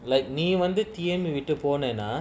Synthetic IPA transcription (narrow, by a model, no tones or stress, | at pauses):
lɐɪk̚niːʋɐnd̪ɯt̪ɪjɐmbiʋɪʈːɯpoːneːnaː